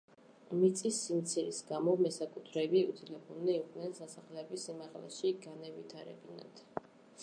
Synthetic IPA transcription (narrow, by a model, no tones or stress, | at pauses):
mit̪sʼisːimt̪sʰiɾisɡamɔmɛsakʼut̪ʰɾɛbiṵt̪ʰilɛbulnɛiqʼnɛnsasaχlɛbisimaʁlɛ̰ʃiɡanɛvit̪ʰaɾɛ̰bina̰d̪̥